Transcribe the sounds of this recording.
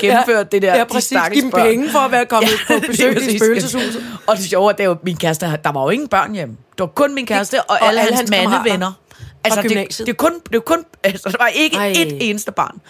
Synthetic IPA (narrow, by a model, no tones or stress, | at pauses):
ɡ̥emm̩føɐ̰d̥̚ːe̝d̥eɐ̥si̥ɑ̈ɡ̥əim̩bpʰeŋəfɒæʋæɐkʰɒ̽mʰbedeøsḭføːlsəshṵːs̩ˠɒ̽d̥e̝ɕɒʊæd̥ejominkʰæɐsd̥əd̥ɑ̈ʋɑ̈jo̝e̝ŋn̩b̥ɶɐ̰njemd̥e̝ʋɑ̈kʰɔ̽nminkʰæɐsd̥əʔɒ̽ʔælləhæmænəʋenɐælsd̥e̥e̝kʰɔ̽nd̥e̝ʋakʰɔ̽nælsəd̥eʋɑ̈ʔe̝ɡ̥əe̝̥e̝ːnəsd̥əb̥ɑ̰̈ːn